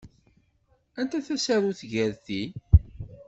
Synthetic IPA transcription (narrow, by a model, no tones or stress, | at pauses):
ænt̪æθæsæɾuθʝəɾθi